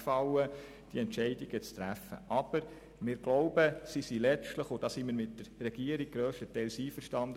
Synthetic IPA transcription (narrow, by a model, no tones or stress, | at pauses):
fɑwə | d̥iɛntʃɛɪdiɡ̥ət͡st̪ɾæfə̰ʔɑb̥əɾ | mɪːɾɡ̥loʊbəsisilɛt͡stləχod̥ɑsiməɾmɪtdəɾːɛɡ̥iəɾiɡ̥̚ɡɾøːʃtətɛɪlsiːfəɾʃtɑnd